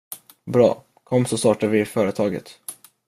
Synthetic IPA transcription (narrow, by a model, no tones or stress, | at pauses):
bɾɑ̰ː | kʰɔmːsɔst̪ɑːʈad̪vɪfœːɾət̪ʰɑːɡə̰t̪